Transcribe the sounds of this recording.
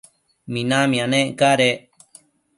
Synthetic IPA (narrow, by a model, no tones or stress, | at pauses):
mĩnãmĩanẽkaɾe